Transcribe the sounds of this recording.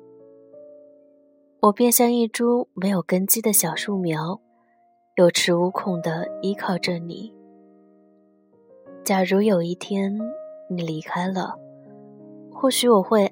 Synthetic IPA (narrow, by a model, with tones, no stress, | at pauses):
wɔ˨˩pjɛ˥˧nɕjɑ˥˧ŋi˥˩ʈ͡ʂu˥me˧˥ɪjo˨˩ʊkə˥nt͡ɕi˥d̪ə˨ɕjɑ˨˩ʊʂu˥˩mjɑ˧˥ʊ | jo˨˩ʊʈ͡ʂʰɻ̩˧˥u˧˥kʰʊ˨˩ŋd̪ə˦i˧˥kʰɑ˥˩ʊʈ͡ʂə˥˩nḭ˨˩˦ | t͡ɕja˨˩ɻu˧˥jo˨˩ʊi˥˩t̪ʰjɛ˥nni˨˩li˧˥kʰa˥ɪlə̰˨ | xwɔ˥˩ɕy˧˥wɔ˨˩xwe˥˧ɪ